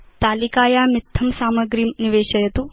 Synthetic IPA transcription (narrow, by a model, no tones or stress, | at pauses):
t̪aːlikaːjaːmit̪ʰːɐmsaːmɐɡɾiːmniʋeːʃɐjɐt̪u